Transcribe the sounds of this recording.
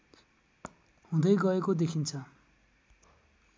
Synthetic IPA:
hũd̪ʌjɡʌekod̪ekʰint͡sʰʌ

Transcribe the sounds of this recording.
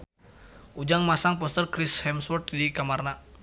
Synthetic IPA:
ʔud͡ʒaŋmasaŋpɔst̪ərkɾishɛmswɔrt̪dikamarna

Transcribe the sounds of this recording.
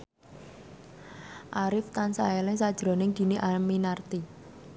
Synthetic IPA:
ʔaɾɪft̪ansaɛlɛŋsad̥ʒ̥ɾo̤nɪŋd̪̥i̤niʔaminart̪i

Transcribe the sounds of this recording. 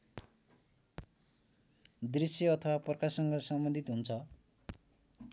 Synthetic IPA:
d̪risjʌʌt̪ʰʌwaprkasʌŋɡʌsʌmbʌnd̪ʱit̪ɦunt͡sʰʌ

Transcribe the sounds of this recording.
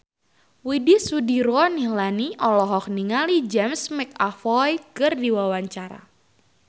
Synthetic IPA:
widisudiɾɔnihlaniʔɔlɔɦɔk̚niŋalid͡ʒɛmsmɛk̚afɔjkɨrdiwawaɲt͡ʃaɾa̰

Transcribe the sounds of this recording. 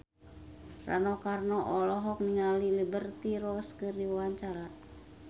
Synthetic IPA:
ra̰nɔkarnɔʔɔlɔɦɔk̚niŋalilibərt̪iɾɔskərdiwawaɲt͡ʃaɾa

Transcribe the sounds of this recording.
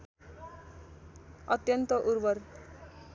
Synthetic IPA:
ʌt̪jʌnt̪ʌʔuɾbʌr

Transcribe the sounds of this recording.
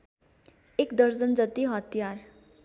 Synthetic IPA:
ekd̪ʌɾd͡zʌnd͡zʌt̪iɦʌt̪ijar

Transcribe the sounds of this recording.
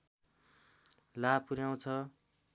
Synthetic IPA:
lapuɾjaw̃t͡sʰʌ

